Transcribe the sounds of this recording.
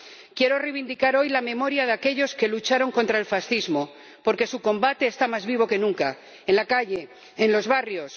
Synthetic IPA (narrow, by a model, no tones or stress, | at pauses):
kje̞ɾo̞rejβind̪ikaɾo̞jlame̞mo̞ɾjaðake̞ʎo̞ske̞lut͡ʃaɾo̞ŋko̞nt̪ɾaelfasθizmo̞ | po̞ɾke̞sukõ̞mbat̪e̞ːst̪amazβiβ̞o̞ke̞nũŋka | enlakaʎe̞ː | nlo̞zβarjo̞s